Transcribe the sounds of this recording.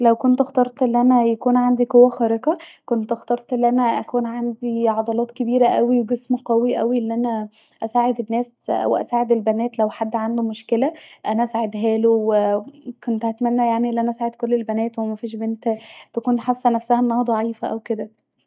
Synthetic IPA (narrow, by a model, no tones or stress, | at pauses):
læwkont̪ʔext̪ɑɾˤt̪ˤʔelːiʔænæjækuːnʕand̪iqowːæxɑɾeqɑkont̪ʔɑxt̪ɑɾˤt̪ˤʔelːiʔænæʔækuːnʕand̪iʕɑd̪ˤɑlɑːt̪kebiːɾæʔæwiwɡesmqæwiʔæwiʔelːiʔænæ | ʔæsaːʕed̪enːæːs | æ̰wʔæ̰saːʕed̪elbænæːt̪læwħad̪ːʕand̪omoʃkelæʔænæʔæsaːʕed̪ɦæːlowekont̪hæt̪mænːæjaʕniʔelːiʔænæʔæsaːʕed̪kolːelbænæːt̪wemæfiːʃbent̪æt̪ækuːntħasːænæfsæhæʔenːɑhɑd̪ˤɑʕiːfæʔæwked̪æ